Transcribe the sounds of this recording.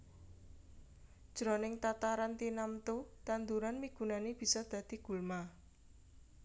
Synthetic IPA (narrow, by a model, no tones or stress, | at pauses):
d̥ʒ̥ɾɔnɪŋt̪at̪aɾant̪inamt̪ut̪and̪uɾanmiɡ̥ṳnaneb̥i̤sɔd̪̥ä̤d̪̥i̤ɡ̥ṳlma